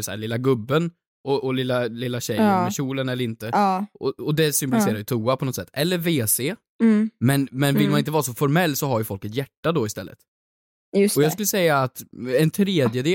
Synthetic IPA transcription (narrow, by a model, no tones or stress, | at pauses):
sæ̰ːɭɪlːaɡɵbːən | ɔʔɔlɪlːalɪlːaɕɛjɾmɛɕuːlənɛlːəɾɪnt̪əɔɔd̪ɛsʏmbɔlsɪseːɾaɾjɵt̪ʰuːapʰɔnɔt̪sɛt̪ːɛlːəɾveːseː | mɛnmɛnvɪlmanɪnt̪əvɑɾasɔfɔɾmɛlːsɔɦaɾjɵfɔlkɛt̪jæʈːad̪ɔɪst̪ɛlːə̰t̪ | jsɔjɑːɡskɵlːəsɛjːaːt̪ɛnt̪ʰɾeːd̪jəd̪eː